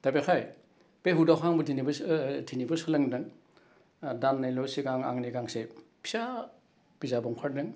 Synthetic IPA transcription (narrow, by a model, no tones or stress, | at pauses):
dabekʰaj | peɦudawkʰaŋbɔtʰinibtʰinibɯsɯlɐŋdɯŋ | danːajlɔsiɡaŋa̰ŋniɡaŋsepʰisa | b̥izabɔŋkʰaɾdɯŋ